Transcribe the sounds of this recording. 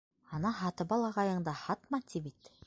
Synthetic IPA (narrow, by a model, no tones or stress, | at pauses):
ɑnɑɦɑt̪ɤbɑlˠɑʁɑjɤ̆ɴd̪ɑhɑt̪mɑt̪ʰibit̪